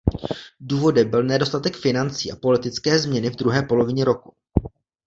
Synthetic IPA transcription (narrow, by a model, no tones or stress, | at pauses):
duːvo̞dɛmbɪlnɛdo̞st̪at̪ɛkfɪnant͡siːʔapo̞lɪt̪ɪt͡skɛːzmɲɛnɪvd̪ɾuɦɛːpo̞lo̞vɪɲɛɾo̞ku